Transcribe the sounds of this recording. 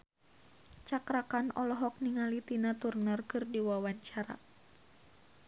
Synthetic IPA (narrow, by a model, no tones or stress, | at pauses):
t͡ʃakɾakanɔlɔɦɔk̚niŋalit̪inat̪urnɔrkɨrdiwawaɲt͡ʃaɾa̰